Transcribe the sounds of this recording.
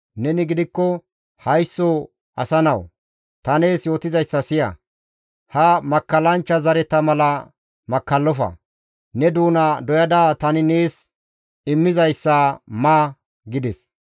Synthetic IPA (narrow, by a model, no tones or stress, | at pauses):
nɛnɪɡɪd̪ɪkːɔ | hɐjsːɔ | ʔɐsɐnɐw | t̪ɐne̞ːsjo̞ːt̪ɪzɐjsːɐsɪjɐ̰ | hɐmɐkːɐlɐnt͡ʃːɐzɐɾɛt̪ɐmɐlɐ | mɐkːɐlːɔfɐ̰ | nɛd̪uːnɐd̪ɔjɐd̪aːt̪ɐnɪneːs | ɪmːɪzɐjsːamaː | ɡɪd̪ɛs